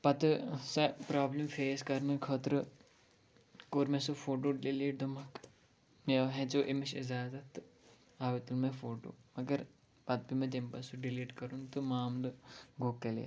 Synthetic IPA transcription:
pɐt̪ɨsɐpɾaːblɐmfeːskɐɾnɨkʰəːt̪ɾɨ | koːɾmẽsufoːʈ̬oːɖiliːʈ̚d̪umɐk | meɦɛ̃t͡ʃoːʔemiʃizaːzɐt̪ | aːʋit̪ulmẽfoːʈo̰ːmɐɡɐɾ | pɐt̪̚bimẽt̪empɐsuɖiliːʈkɐɾunt̪ɨmaːmlɨɡoːkːɐlḭ

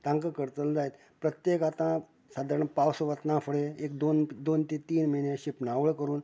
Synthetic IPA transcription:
t̪ãŋkəkəɾt̪əld͡zajt̪ | pɾət̪jekat̪ã | sad̪ʱaɾəɳpawsʋət̪nãfʰəɽeekd̪ond̪ont̪it̪iːnmənẽɕipnaʋɭkəɾuːn

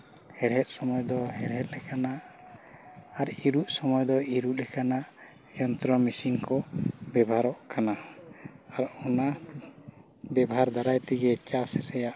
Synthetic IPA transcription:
hɛɽɦɛt̪̚sɔmɔjd̪ɔhɛɽɦɛt̪̚lɛkanaʔ | ɾiɾuʔsɔmɔjd̪ɔiɾuʔlɛkanaʔ | jɔnt̪ɾɔmisiŋkɔbɛbaɾɔʔkʰana | aɾɔna | bɛbaɦaɾd̪aɾajt̪iɡɛt͡ʃasɾɛjaʔ

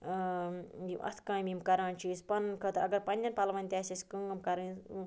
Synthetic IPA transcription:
jḭʔɐ̰t̪ʰkãːmʲimkɐɾãːnt͡ʃʰiːzpɐnkɐt̪ɐɡɐɾpɐnʲdʲɐnpɐlɐʋɐnʲt̪ʲaːsɐsʲkɨŋɡɐmkɐɾɨ

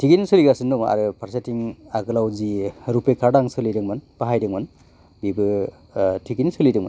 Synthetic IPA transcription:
tʰiɡinsɯliɡasɯnduŋa̰ɾɯpʰaɾsatiŋaɡɯlawziɾupekʰaɾdaŋsɯlidɯŋmɯnpaɦajdɯŋmɯn | bibɯ | tʰiɡinsɯlidɯŋmɯ̰n

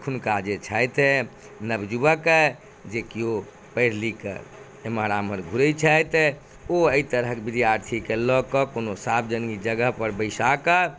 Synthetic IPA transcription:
kʰunkad͡ʒet͡ʃʰajt̪e | nəbd͡ʒubəkə | d͡ʒekio | pəɪɾ̤likə̰ | emaɾaməɾɡʱuɾət͡ʃʰəjt̪ɛ | oəit̪əɾəɦkebid̪jaɾt̪ʰikelɔkɔkonosabd͡ʒənɡid͡ʒəɡəɦpəɾbəɪsakə

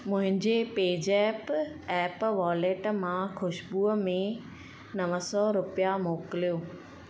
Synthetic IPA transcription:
mʊ̃ɦɪ̃ɲd͡ʑepeːd͡ʑɛːpɛːpʋɔːleʈmãxʊʃbuːəmẽ | nɐʋəsɔɾʊpijamoːkɪlijoː

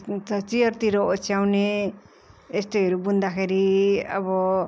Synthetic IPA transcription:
ʌt͡sijʌrt̪iɾʌot͡sjawne | est̪ejɦʌɾubund̪akʰeɾiʌ̰bʌ

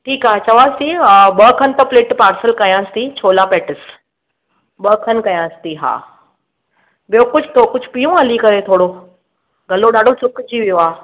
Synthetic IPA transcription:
ʈʰiːkaːɦet͡ɕɐʋaːsĩɓɐkʰənɪ̆t̪ɐ̃pleːʈpaːɾsəlkɐjãːst̪it͡ɕʰoːlapeːʈɪs | ɓɐkʰənkɐjãːst̪iɦa̰ː | bijokʊd͡ʑʱt̪ʰokʊd͡ʑʱpijũɐlikɐɾet̪ʰoːɽo | ɡʱɐloɗaːɖʱosʊkd͡ʑiʋijoaː

